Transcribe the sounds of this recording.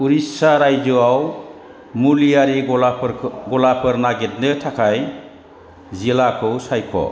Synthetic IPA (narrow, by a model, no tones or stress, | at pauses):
uɾisaɾajd͡ʒɯaw | mulijaɾi | ɡɔlapʰɯɾnaɡet̚nɯtʰakʰaj | zilakʰɯwsajkʰɔ̰